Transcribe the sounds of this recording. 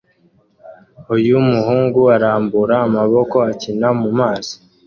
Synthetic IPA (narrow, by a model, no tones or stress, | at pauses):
hujumuhuːŋɡuaɾaːmbuɾaːmaβo̞ko̞acinamumaːsi̥